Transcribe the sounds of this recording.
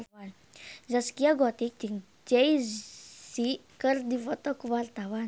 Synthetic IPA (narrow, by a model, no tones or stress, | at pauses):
an | zaskiaɡɔt̪ik̚d͡ʒiŋ | d͡ʒej | sikəɾd̪ivɔt̪ɔkwaɾt̪awan